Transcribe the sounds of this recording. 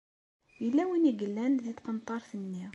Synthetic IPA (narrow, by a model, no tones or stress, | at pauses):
jəlːæwiniɡəlːænðit̪qənt̪ˤːɑɾˤθənːi